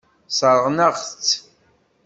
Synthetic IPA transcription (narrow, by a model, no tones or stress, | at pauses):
səɾˤʁnəʁθt͡sː